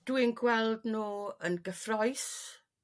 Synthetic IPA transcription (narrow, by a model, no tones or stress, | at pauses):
d̥wɪnɡwɛlˠdnoːənɡəfrɔjs